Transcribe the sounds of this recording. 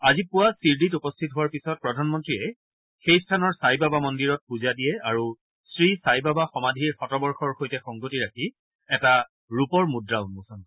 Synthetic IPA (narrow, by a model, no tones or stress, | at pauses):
azipʊwasiɹditupɔstʰitɦʊwaɹpisɔt̚pɹɔdʱanmɔntɹiɛ | xejstʰanɔɹsajbabamɔndiɹɔt̚puzadijɛaɹu | sɹisajbabaxɔmadʱiɹxɔtɔbɔɹxɔɹxojtɛxɔŋɡotiɹakʰi | ɛta | ɹupɔɹmudɹanmusɔn